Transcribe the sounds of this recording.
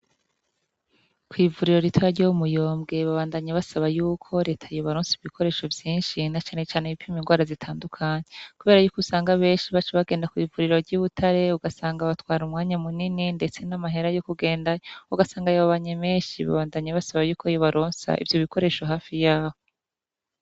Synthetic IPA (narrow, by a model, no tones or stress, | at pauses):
kwiːvuɾiɾo̞ɾitwajaɾɟoumujo̞ːmbɡe̞βaβaːndaɲaβasaβajuːkʰo̞ɾe̞ːtʰajoβaɾoːnsiβikʰo̞ɾe̞ːʃo̞vjiːnʃinat͡ʃaːne̞t͡ʃaːneipiminŋɡwaːɾazitʰaːndukʰaɲekuβe̞ːɾajuːkusaːŋɡaβe̞ːnʃiβat͡ʃeβaɡe̞ːndakwiːvuɾiɾo̞ɾɟuːβutʰaɾe̞uɡasaːŋɡaβatwaːɾumŋaːɲamunininde̞t͡se̞namaɦe̞ɾajo̞kuɡe̞ːndauɡasaːŋɡajaβaβaɲemeːnʃiβa̰βaːndaɲaβasaβajuːkojoβaɾʔoːnsa̰ʔḭvjo̞βikʰo̞ɾe̞ːʃoɦaːfijaːβo